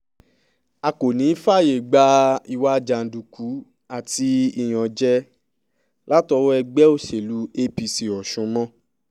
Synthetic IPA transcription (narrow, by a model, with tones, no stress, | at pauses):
a˧ko˨nĩ˨˦fa˦˨je˨ɡ͡ba˧˦i˧wa˦d͡ʒa˧˨n̩˨du˨ku˨˦ | a˦˨ti˧i˦˨j̃ɔ̃˨d͡ʒɛ˦ | la˦tɔ˧˦wɔ˦ɛ˧ɡ͡bɛ˦o˦˨ʃe˨lu˧˦e˦pi˧si˨ɔ˨ʃũ˨˧˦mɔ̃˦